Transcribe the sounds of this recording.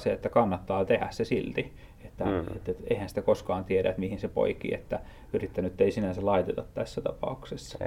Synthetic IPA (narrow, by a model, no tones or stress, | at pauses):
seet̪ːækɑnːɑt̪ːɑːt̪ehæ̰ssesilt̪i | et̪ːæḛt̪ːet̪ḛihænsĭ̥t̪ækoskɑːnt̪ieɾæ̰t̪mihinsepo̰ikḭḛt̪ːæ | yrit̪ːænyet̪ːeisinænsælɑit̪et̪ɑt̪t̪æsːæt̪ɑ̰pɑ̰uksesːɑ̥